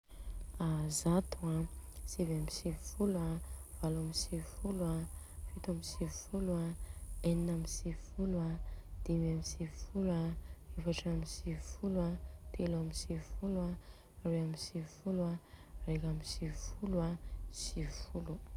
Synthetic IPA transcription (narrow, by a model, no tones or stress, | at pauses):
azat̪uasivamisivfuluav̥alamisifulua | fit̪amisivfuluaeninamisivfuluad̪̥imamisivfulaefaʈ͡ʂamisivfulwat̪ʰelamisivfula | reamisivfuluarekamisivfuluasivfulu